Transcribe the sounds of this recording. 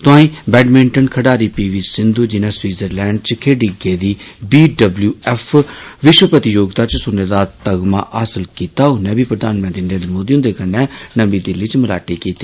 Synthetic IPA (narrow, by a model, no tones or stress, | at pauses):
t̪ʊãːĩːbɛːɖmɪ̃ɳʈənkʰəɽaːɾiːpiːʋiːsɪnd̪uːd͡ʒɪnɛ̃ːswiːzəɾlɛːɳɖ̚t͡ʃkʰeːɖiːɡeːd̪iːbiːɖəbljuːɛːpʰʋɪʃwəpət̪ɪjoːɡt̪aːt͡ʃsʊnːeːd̪aːt̪əɡma̰ːʔaːsəlkiːt̪aːʊnːɛ̃ːbiːpɾəd̪aːnmə̃nt̪ɾiːnəɾẽːnd̪əɾmoːd̪iːʊ̃nd̪eːkənːɛːnəʋiːd̪ɪlːiːt͡ʃməɾaːʈeːkiːt̪eː